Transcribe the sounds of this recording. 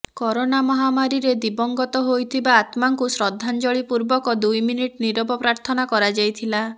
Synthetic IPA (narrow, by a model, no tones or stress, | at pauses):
kɔɾonamɔɦamaɾiɾed̪ibɔŋɡɔt̪ɔɦojt̪ʰibaːt̪maŋkusɾɔd̪ʱːand͡ʒɔɭipuɾbɔkɔd̪ujminiʈniɾɔbɔpɾaɾt̪ʰɔnakɔɾad͡ʒajt̪ʰila